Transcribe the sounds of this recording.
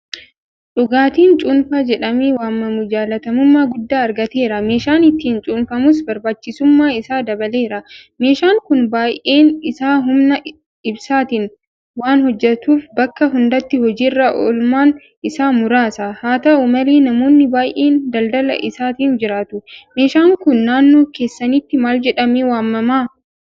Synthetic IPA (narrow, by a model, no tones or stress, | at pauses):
ᶑʊɡaːt̪iːnt͡ʃʼuːnfaːd͡ʒɛᶑɐmeːwaːmːɐmʊd͡ʒaːlɐt̪ɐmʊmːaːɡʊd̪ːaːɐɾɡɐt̪e̞ːɾɐme̞ːʃaːnɪt̪ːiːnt͡ʃʼuːnfɐmʊs̬bɐɾbaːt͡ʃːɪsʊmːaːɪsaːd̪ɐbɐle̞ːɾɐme̞ːʃaːŋkʊnbaːjʔeːnɪsaːɦʊmnɐ | ɪbsaːt̪ɪn | waːnhɔd͡ʒːɛt̪uːfbɐkːɐɦʊnd̪ɐt̪ːɪhɔd͡ʒiːrːɐʔɔ̰lmaːn | ʔɪsaːmʊɾaːsaːhaːt̪ɐʔʊmɐleːnɐmo̞ːnːɪbaːjʔeːnd̪ɐld̪ɐlɐ̰ʔɪsaːt̪iːnd͡ʒɪɾaːt̪ʊme̞ːʃaːŋkʊnːaːnːoːke̞ːsːɐniːt̪ːɪmaːld͡ʒɛᶑɐmeːwaːmːɐmaː